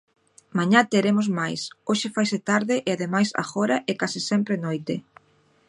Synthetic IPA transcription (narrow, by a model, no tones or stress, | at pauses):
mãɲat̪eɾemozmajsoʃɪfajsɪt̪aɾðɪʔɪaðemajsa̰xɔɾɐʔɛkasɪsɛmpɾenojt̪ɪ